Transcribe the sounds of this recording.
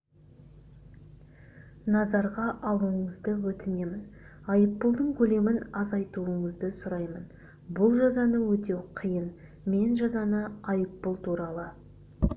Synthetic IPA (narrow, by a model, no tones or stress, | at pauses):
nɑzɑɾʁɑʔɑwˠəɴəzd̪əwɵt̪ɪne̞mɪnɑjəpːʊlˠd̪əɴkʲʰɵle̞mɪnɑzɑjt̪uəɴəzd̪əsʊɾɑjmən | bʊlˠʒɑzɑnəwɵt̪e̞wqʰijən | me̞nʒɑzɑnəɑjəpːʊlˠt̪ʰuɾɑlˠə